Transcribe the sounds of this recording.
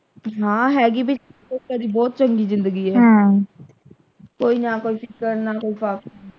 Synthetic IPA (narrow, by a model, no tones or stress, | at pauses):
ɦãːɦɛːɡiːbɪokaɾiːbɔːt̪̚t͡ʃəŋɡiːzɪ̃nd̪əɡiːɛːã | koːiːnãːkoːiːpʰɪkəɾnaːkoːiːpaːk̚